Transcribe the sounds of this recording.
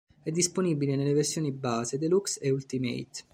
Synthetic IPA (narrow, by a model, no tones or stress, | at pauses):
ɛd̪ːisponibilenelːeversjoːnibaːzed̪elukseult̪imḛjt̪